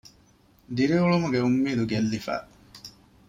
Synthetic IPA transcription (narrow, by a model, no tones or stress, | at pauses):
d̪iɾiuɭumuɡeumːiːd̪uɡelːifæ̰ː